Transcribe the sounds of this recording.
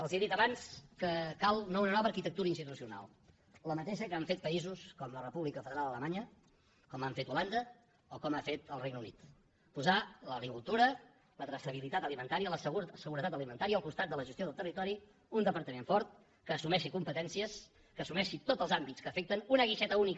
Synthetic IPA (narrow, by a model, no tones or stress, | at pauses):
əlˠzieðit̪əβanskəkalˠnounənɔβəɾkit̪ək̚t̪uɾəinst̪it̪usiuna̰lˠ | ləmət̪eʃəkəaɱfet̪̚pəizuskɔmlərəpuβlikəfəðəɾalˠd̪ələmaɲə | kɔmaɱfet̪uland̪ə | okɔmafet̪əlˠrejɡnəunit̪ | puzaləɣɾikulˠt̪uɾə | lət̪ɾəsəβ̞ilit̪at̪əlimənt̪aɾiələssəɣuɾət̪at̪əlimənt̪aɾiəəlˠkust̪at̪̚d̪ələʒəst̪ioð̞əlˠt̪ərit̪ɔɾi | und̪əpəɾt̪əmeɱfɔɾt̪̚ | kəːsumɛʃikumpət̪ɛnsiəs | kəːsumɛʃit̪ot̪zəlˠzambiskəːfek̚t̪ənunəɣ̞iʃɛt̪əunik